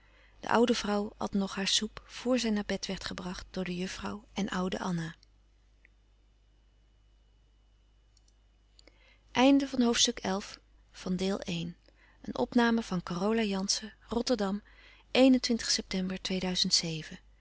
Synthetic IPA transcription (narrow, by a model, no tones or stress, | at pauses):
d̥ə̰ʔʌwdəvrʌwhɑ̰tnɔχaːɹsupfʊːɹzɛjnaːɹbɛtʋɛɹtχəbrɑχt̚d̥ʊːɹdəjɵfrɑwʔɛnʔʌwdə̰ʔɑna | ʔɛjndəvɑnɦowftstɵkɛlˠf | fɑndɪːlˠʔejn | ənʔɔ̰pnaːməv̥ɑnkɔrowlajɑnsərɔtəɹdɑm | ʔejnəntʋɪntə̥χsɛp̚tɛmbəɹtʋejdœɥzəntsejvə